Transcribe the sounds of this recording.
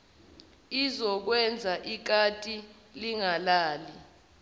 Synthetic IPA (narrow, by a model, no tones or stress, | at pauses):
izɔk̬wɛnd͡zʱaʔik̬atʼi | liŋalaːli